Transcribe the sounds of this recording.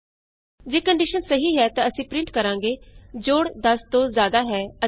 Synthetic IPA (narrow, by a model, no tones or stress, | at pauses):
d͡ʒeːkəɳɖiʃənsəɦiːɦɛːt̪ãːəsĩːpɾɪ̃ɳʈkəɾãːŋɡeːd͡ʒoːɽd̪əst̪õːzjaːd̪aːɦɛːə